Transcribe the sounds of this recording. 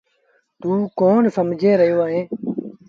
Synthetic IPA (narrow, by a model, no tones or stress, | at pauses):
t̪uːkoːnsəmd͡ʒeːɾəɦjoːaːɦẽː